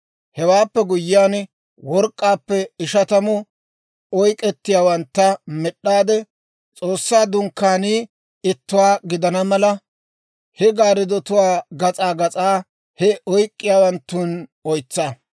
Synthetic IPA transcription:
hɛwaːpːɛɡʊjɪjaːn | wɔɾkʼːaːpːɛɪʃɐt̪ɐmʊ | ɔjkʼɛt̪ːɪjaːwɐnt̪ːɐmɛɗːaːd̪ɛ | t͡sʼoːsːaːd̪ʊŋkːaːniː | ɪt̪ːʊwaːɡɪd̪ɐnɐmɐlɐ | hɛɡaːɾɪd̪ɔt̪ʊwaːɡɐt͡sʼaːɡɐt͡sʼaː | hɛɔjkʼːɪjaːwɐnt̪ːuːnɔjt͡sːa

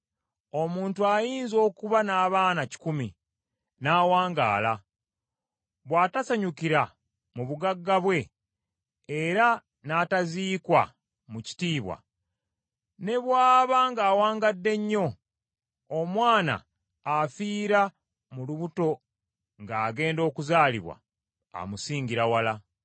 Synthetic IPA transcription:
o̞muːntuajiːnzo̞ːkuβanaːβaːnaci̥kumḭ | naːwaːŋɡa̰ːla | βwaːtasaɲukiɾa | muβuɡaɡːaβwe̞ | ɾa | nataziːkwa̰ | muci̥tiːβwa̰ | ne̞βwaːβaŋɡaːwaːŋɡadːe̞ɲːo̞ | omwaːna̰ː | fiːɾa | muluβuto̞ | ŋɡaːɡe̞ːndo̞ːkuzaːliβwa̰ | a̰musiːɲɟiɾawala

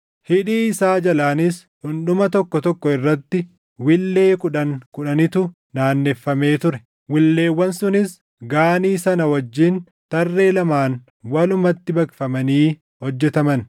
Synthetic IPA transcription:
hɪᶑiːɪsaːd͡ʒɐlaːnɪs | ᶑʊnɗʊmɐt̪ɔkːɔt̪ɔkːɔɪrːɐt̪ːɪ | wɪlːeːkʊᶑɐŋkʊᶑɐnɪt̪ʊ | naːnːɛfːɐme̞ːt̪ʊɾɛ | wɪlːe̞ːwːɐnsʊnɪs | ɡaːniːsɐnɐwɐd͡ʒːiːn | t̪ɐrːe̞ːlɐmaːn | wɐlʊmɐt̪ːɪbɐkfɐmɐniː | hɔd͡ʒːɛt̪ɐmɐn

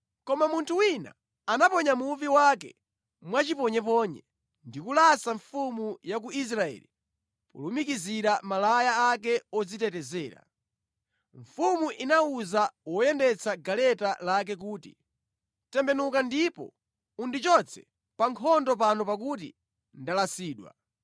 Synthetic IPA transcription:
kɔmamuntʰuwina̰ː | napɔɲamupiwak̬ɛ̰ | mwat͡ʃipɔɲɛpɔːɲɛ | ndikulasaɱfumujak̬uis̬ɾaɛ̰ːli | pṵlumikiziɾamalajaak̬ɛɔd͡zitɛtɛzɛːɾa̰ | ɱfumuʔinauzawɔjɛndɛt͡sʰaɡalɛtalak̬ɛk̬uːtḭ | tɛmbɛnukandipɔ̰ | undit͡ʃɔt͡sʰɛ̥ | paŋkʰɔndɔpanɔpak̬ut̬ḭ | ndalasiːɗwa̰

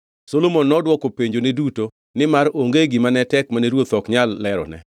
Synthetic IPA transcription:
solomonːɔdwɔkopeɲd͡ʒoneduto | nɪmaɾoŋɡeɡɪmanɛtɛkmaneɾwot̪ɔkɲalːɛɾɔ̰nɛ̰

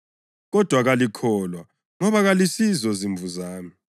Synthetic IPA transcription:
ɣɔd̥ʱwaɣalikʰɔːlwa | ŋɔβaɣalisizɔziɱvuzaːmi

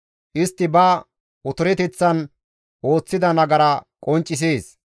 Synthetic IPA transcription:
ʔɪst̪ːɪbɐ | ʔʊt̪ʊɾɛt̪ɛt͡sːɐn | ʔo̞ːt͡sːɪd̪ɐnɐɡɐɾɐkʼɔnt͡ʃʼːɪs̬eːs

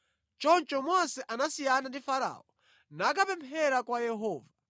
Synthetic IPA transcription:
t͡ʃɔnt͡ʃɔmɔsɛʔanasijanandifaɾa̰ːɔ | nak̬apɛmpʰɛɾakwajɛɦɔːva

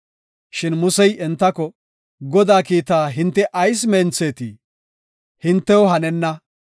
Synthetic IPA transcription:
ʃɪnmʊsɛjɛnt̪ːɐkɔ | ɡɔd̪aːkiːt̪aːɦɪnt̪ːɛʔɐjs̬meːnt͡seːt̪ḭː | hɪnt̪ːɛwɔɦɐnɛnːɐ

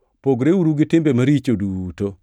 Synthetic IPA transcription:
poɡɾeuɾuɡɪtɪmbemaɾit͡ʃoduto

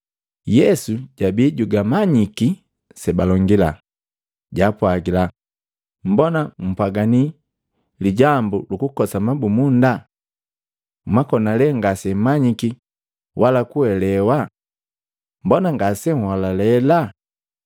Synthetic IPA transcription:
jɛsuɟabiɟuɡamaɲiki | sɛbalɔŋɡila | ɟapwaɡila | m̩bɔnam̩paɡani | liɟambulukukɔsamabumunda | makɔnalɛŋɡasɛmaɲiki | wʔalakuɛlɛwa | mbɔnaŋɡasɛŋhalalɛla

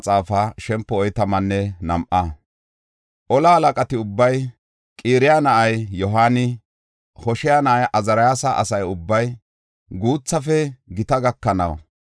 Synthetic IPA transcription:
t͡sʼaːfɐʃɛmpːɔɔjt̪ɐmɐnːɛnɐmʔɐ | ʔɔlɐhɐlɐkʼɐt̪ɪʊbːɐj | kʼiːɾɪjanɐʔɐjjɔɦaːnɪ | hɔʃɪjanɐʔɐjʔɐzɐɾɐjaːsɐʔɐ̰sɐjʊbːɐj | ɡuːt͡sːɐfɛɡɪt̪ɐɡɐkːɐnɐ̰w

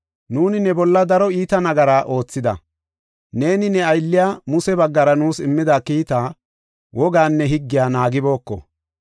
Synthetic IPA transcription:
nuːnɪnɛbɔlːɐd̪ɐɾɔiːt̪ɐnɐɡɐɾaːʔo̞ːt͡sːɪd̪ɐ̰ | ne̞ːnɪnɛɐjlːɪjaːmʊsɛbɐɡːɐɾɐnuːsɪmːɪd̪aːkiːt̪aː | wɔɡaːnːɛɦɪɡːɪjaːnaːɡɪbo̞ːkːɔ̰

